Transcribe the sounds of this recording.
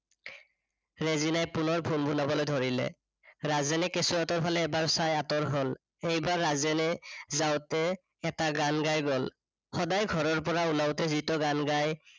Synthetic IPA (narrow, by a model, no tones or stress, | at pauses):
ɹezinajpunɔɹbʱunbʱunabɔlojdʱoɹilɛ̰ | ɹazɛnɛkesuatɔɹpʰalɛːbaɹsajatɔɹɦol | ejbaɹːazɛnɛzawtɛː | taɡanɡajɡɔl | hɔdajɡʱɔɹɔɹpɔɹaunawtɛzitɔɡanɡaj